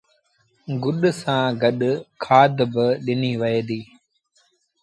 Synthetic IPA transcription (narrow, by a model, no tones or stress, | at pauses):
ɡʊɗsãːɡɐɗkʰaːd̪bɪɗɪniːʋɐeːd̪iː